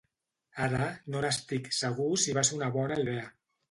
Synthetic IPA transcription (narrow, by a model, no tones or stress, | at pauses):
aɾanonast̪ikseɣ̞usiβasunaβɔnaiðea